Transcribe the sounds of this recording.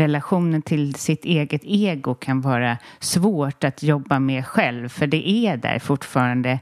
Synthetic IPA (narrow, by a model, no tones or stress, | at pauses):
ɛlaɧuːnənt̪ʰɪlsɪt̪eːɡət̪eːɡʊkʰanvɑːɾasvoːʈat̪ʰjɔbːamɛɧɛlvfœɖɛʔæɖæ̰ɾfʊʈːfɑːɾand̪ə